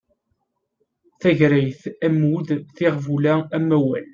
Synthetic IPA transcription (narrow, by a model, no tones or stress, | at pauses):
θæʝɾæjθæmuðθɪʁvulææmːæwæ̰l